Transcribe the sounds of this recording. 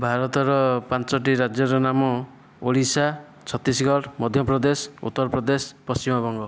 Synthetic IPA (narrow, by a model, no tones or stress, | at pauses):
bʱaɾɔt̪ɔɾɔpant͡ʃɔʈ̬iɾad͡ʒjɔɾɔnamɔ | oɭisa | t͡ʃʰɔt̪isɡɔɾmɔd̪ʱjɔpɾɔd̪esṵt̪ːɔɾpɾɔd̪espɔst͡ʃimɔbɔŋɡɔ